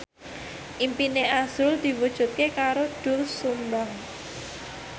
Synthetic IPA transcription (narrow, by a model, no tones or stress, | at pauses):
ʔimpineʔaz̥ʊld̪̥i̤wud̥ʒ̥ṳt̪̚kekaɾoɖ̥ʊ̤lsumbaŋ